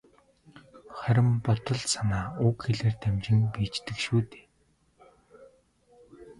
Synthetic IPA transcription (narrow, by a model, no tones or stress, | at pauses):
χœɾʲɪ̆mpɔt̪ɞ̆ɮsanaːʊkxeɮeːrt̪ʰæmt͡ɕɪ̆ŋpiːt͡ɕt̪ɘ̆kʃuːt̪e̥ː